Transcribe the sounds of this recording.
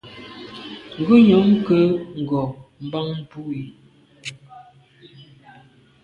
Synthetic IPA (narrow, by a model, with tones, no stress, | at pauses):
ŋ̩˨ɡʉ˦ɲɔ˨˦ŋkə˦ŋ̩˨ɡɔ˨m̩˨ba˦ŋm̩˨pu˦i˨